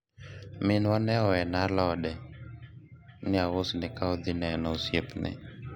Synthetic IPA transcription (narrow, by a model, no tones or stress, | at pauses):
mɪnwɔnɛɔɛnalɔdɛ | nɪawosnɪkaod̪ɪnɛnɔsjepnɪ̰